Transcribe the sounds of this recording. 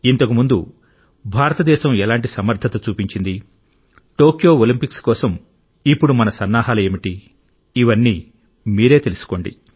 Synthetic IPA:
int̪ɐk̬umund̪ṵ | bʱaːɾɐt̪ɐd̪ɛːʃɐmɛlaːɳʈisɐmɐɾd̪ʱɐt̪ɐt͡ʃuːpiɲt͡ʃind̪i | ʈoːkjo̞ːolimpikskɔːsɐm | ipːuɽumɐnɐsɐnːaːɦaːlɐe̞ːmiʈi | iʋɐnːiː | miːɾe̞ːt̪e̞lusu̥ko̞ːɳɖḭ

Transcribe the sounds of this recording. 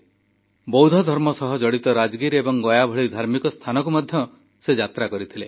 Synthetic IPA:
bɔwd̪ʱɔd̪ʱɔɾmɔsɔɦɔd͡ʒɔɽit̪ɔɾad͡ʒɡiɾebɔŋɡɔjabʱɔɭid̪ʱaɾmikɔst̪ʰanɔkumad̪ʱjɔ | sed͡ʒat̪ɾakɔɾit̪ʰile

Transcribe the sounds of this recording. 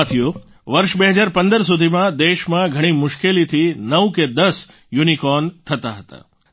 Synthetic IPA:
t̪ʰiju | ʋəɾʃbeɦəd͡ʒaɾpənd̪əɾs̬ud̪ʱimãd̪eʃmãɡʱəɽ̃imʊʃkelit̪ʰinəʋked̪əs | junikɔnt̪ʰət̪aɦət̪a̰

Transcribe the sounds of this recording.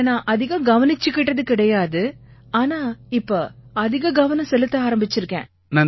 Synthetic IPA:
nãːʔɐðɪɣɐ̃ɡɐʋɐnɪt͡ʃːɯkːɪʈːɐðɯkɪɽɐjaːðɯ | aːnaːɪpːoːɐðɪɣɐɡɐʋɐnɐ̃sɛlɯt̪ːɯaːɾɐmbɪt͡ʃːɪɾɯkːḛ̃ː | nɐː

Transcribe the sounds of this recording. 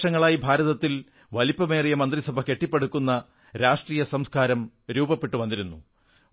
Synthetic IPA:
ʂɐŋːɐɭaːjibʱaːɾɐðɐt̪ːil | ʋɐlipːɐme̞ːrijɐmɐnd̪risɐbʱɐke̞ʈːipːe̞ɽukːunːɐ | ɾaːʂʈriːjɐsɐmskaːɾɐm | ɾuːbɐpːeʈːuʋɐnd̪iɾunːu

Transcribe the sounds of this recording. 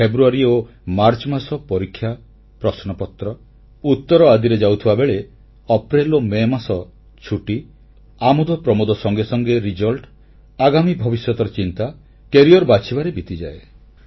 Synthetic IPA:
pʰebɾuaɾio | maɾt͡ʃɔmasɔpɔɾikʰːja | pɾɔsnɔpɔt̪ɾɔ | ut̪ːɔɾɔad̪iɾed͡ʒawt̪ʰibabeɭe | ɔpɾelomemasɔ | t͡ʃʰuʈi | amud̪ɔpɾɔmod̪ɔsɔŋɡesɔŋɡeɾid͡ʒɔlʈː | ɡamibʱɔbisjɔt̪ɔɾɔt͡ʃint̪a | keɾiɔɾbat͡ʃʰibaɾebit̪id͡ʒa̰e

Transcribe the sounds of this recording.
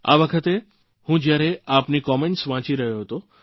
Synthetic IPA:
a̰ʋəkʰət̪e | hũd͡ʒjaɾeapnikɔmeɳʈsʋãt͡ʃiɾəɦjoɦət̪o

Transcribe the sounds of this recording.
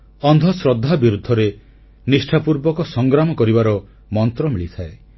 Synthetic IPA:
ɔnd̪ʱɔsɾɔd̪ʱːabiɾud̪ʱːɔɾe | nisʈʰapuɾbɔkɔsɔŋɡɾamɔkɔɾibaɾɔ | mɔnt̪ɾɔmiɭit̪ʰae

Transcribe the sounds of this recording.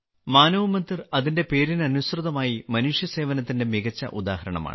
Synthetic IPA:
maːnɐʋumɐnd̪irɐðinde̞pe̞ːɾinɐnusrɨðɐmaːjimɐnuʂjɐse̞ːʋɐnɐt̪ːinde̞miɣɐt͡ɕːɐ̰ʔud̪a̰ːhɐɾɐɳɐ̰ma̰ːɳ

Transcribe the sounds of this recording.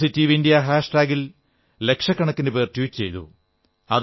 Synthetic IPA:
sitːiːʋindijɐɦaːʂʈaːɡil | le̞kʂɐkːɐɳɐkːindepeːrtjuːt͡ɕejt̪ṵ | ɐ̰ð

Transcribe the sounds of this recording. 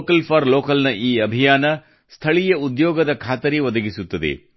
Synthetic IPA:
kɐlpʰɐɾloːkɐlnɐʔiːɐbʱijaːnɐ | st̪ʰɐɭijɐud̪jɔːɡɐd̪ɐkʰaːt̪ɐɾiʋɐd̪ɐɡisut̪ːɐd̪ḛ

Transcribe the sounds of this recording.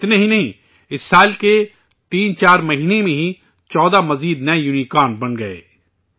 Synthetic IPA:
ɪt̪neɦinɐɦĩ | ɪsːaːlke | t̪iːnt͡ʃaːɾmɐɦiːnemẽɦi | t͡ʃɔːd̪amɐziːd̪nɐejʊnikaːnbɐnɡɐḛː

